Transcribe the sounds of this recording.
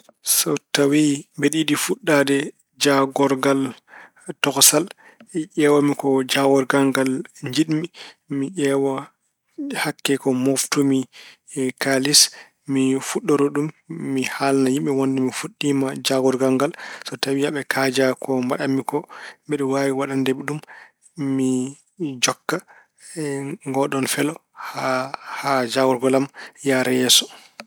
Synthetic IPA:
sɔtawimbeɗiɗifuɗːadɛ | d͡ʒaɡɔɾɡal | tɔksal | ʔɛwamikɔd͡ʒaɡɔɾɡaŋɡalɲd͡ʒiɗmi | miʔɛwa | hakːɛkɔmoftumi | kalis | mifuɗːɔɾɔɗumː | ihalnajimɓɛwɔndɛmifuɗːimad͡ʒaɡɔɾɡaŋɡalsɔtawiaɓɛkʰad͡ʒakɔmbaɗamːikɔɓɛɗɛwaːwiwaɗandɛɓɛɗumː | i | d͡ʒɔkːa | ŋɡɔɗɔnfɛlɔhahad͡ʒaɡɔɾɡɔlamjaɾɛjɛːsɔ̥

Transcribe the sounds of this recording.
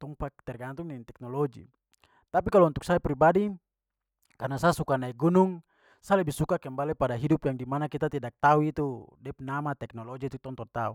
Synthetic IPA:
t̪ɔŋpakt̪ɛrɡant̪uŋnɛnt̪ɛk̚nɔlɔd͡ʒḭ | t̪apikalɔunt̪uk̚saipɾibadi | karnasasukanaiɡunuŋ | salɛbihsukakɛmbalɛpadaɦidupjaŋdimanakit̪at̪ɛdak̚t̪auit̪udɛpnamat̪ɛk̚nɔlɔd͡ʒiit̪ut̪ɔŋt̪ɔnt̪au

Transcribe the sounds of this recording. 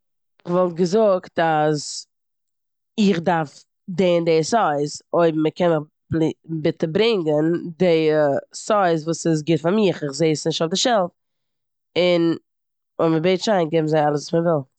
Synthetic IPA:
ɪvɔlˠt̚ɡəzʊktaz | ɪχdaɾf | deːndeːsɔɪzoɪbm̩məkɛnmə | blbɪtəbɾɪŋɡəndesɔɪzvuːsɪs̬ɡɪtfaɾmiχɪχzeɪsnɪʃtʊfdɪʃɛlˠf | ɪn | ʊməbeɪtʃaɪnɡɛbm̩zaɪalˠəsuːsməvɪlˠ

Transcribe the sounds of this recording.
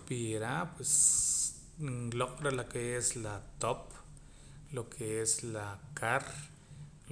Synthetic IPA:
piɾapwes | ŋloqʼɾalakeeslat̪op | lokʰeeslakʰaɾ

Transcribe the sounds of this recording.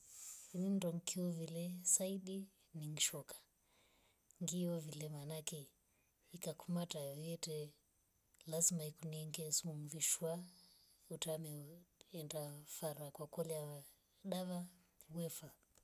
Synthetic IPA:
inindɔŋkiɔvilɛsaiɗi | niŋiʃɔkʰḁ | ŋɡiɔvilɛmanakɛ | ikakumatajɔjɔtɛ | lazimaikuniɛŋɡɛsumumviʃwa | utamɛɛndafaɾakwakɔlɛa | ɗaβa | wɛfa

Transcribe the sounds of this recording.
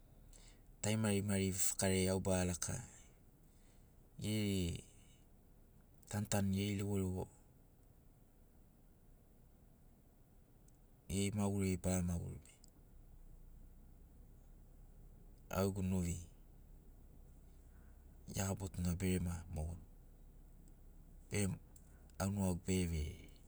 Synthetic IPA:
tajmaɾimaɾifḁkaɾeawbalakʰa̰ | jeɾe | tantanjeɾilewoɾeo | jejmawuɾebaɾamawṵɾḛe | a̰wɡunoɾi | jabotunabeɾemamon | b̥eɾe | awnoaɡbeβe

